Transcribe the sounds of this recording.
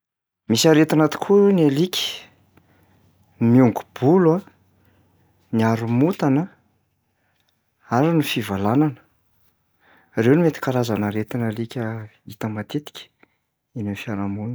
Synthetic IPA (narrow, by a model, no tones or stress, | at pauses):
misaɾet̪anat̪i̥kʰunalikʲi̥ | miuŋɡu̥b̥ula | niaɾumut̪anə | aɾinifivalananə̥ | rewnimet̪i̥kaɾazanaɾet̪inalikʲə | it̪əmat̪et̪i̥kʲə̥ | inenfianamun